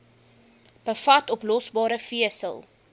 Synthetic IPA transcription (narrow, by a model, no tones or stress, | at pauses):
b̥əfɐtɔplɔsbɑːɾəfiəsə̰lˠ